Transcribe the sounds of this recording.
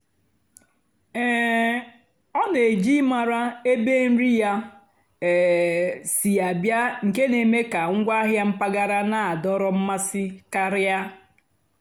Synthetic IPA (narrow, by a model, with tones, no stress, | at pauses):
ɛ˨ | ɔ˦ne˨d͡ʒi˦ma˨ɾa˦e˦be˦n̩˦ɾi˦ja˦˨ | si˨a˨bja˦ŋ̩˨ke˦ne˨me˦ka˨ŋ̩˦ɡʷa˦ɦja˦m̩˦pa˦ɡa˦ɾa˦na˨a˨dɔ˦ɾɔ˦m̩˦ma˦sɪ˦ka˨ɾja˦